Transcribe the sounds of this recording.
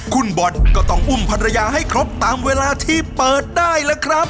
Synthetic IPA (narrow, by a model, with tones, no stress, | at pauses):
kʰu˧nbɔ˨˩t̪̚kɔː˥˩t̪ɔ˥˩ŋʔu˥˩mpʰa˧ɾa˧jaː˧ɦa˥˩jjkʰɾo˦˥p̚t̪aː˨˧mweː˧laː˧t̪ʰiː˥˩pɤː˨˩t̪̚daː˥˩jlɛ˦˥kʰɾa˦˥p̚